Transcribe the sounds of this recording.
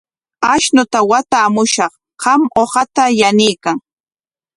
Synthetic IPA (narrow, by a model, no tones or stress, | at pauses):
aʃnʊt̪awat̪aːmʊʃɑχ | ɢɑmohɑt̪ajanɪjkaŋ